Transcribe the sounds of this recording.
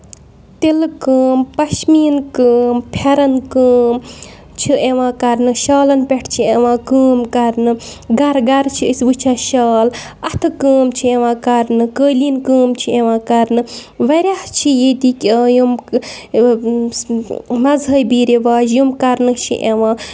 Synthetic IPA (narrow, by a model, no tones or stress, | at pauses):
t̪ilkəːmpɐʃmiːnkəːmpʰɐɾɐnkəːm | t͡ʃʰiʔeʋãːkɐɾnɨʃaːlɐnpʲeʈʰt͡ʃʰieʋãːkəːmkɐɾnɨɡɐɾɡɐɾt͡ʃʰiəsbɨt͡ʃʰaːʃaːl | ɐt̪ʰɨkəːmt͡ʃʰieʋãːkɐɾnɨkəːlinkəːmt͡ʃʰieʋãːkɐɾnɨʋɐɾʲaht͡ʃʰijet̪ikʲəːjum | mɐzɦɐjbiːɾeʋaːd͡ʒjumkɐɾnɨt͡ʃʰḭʔeʋãː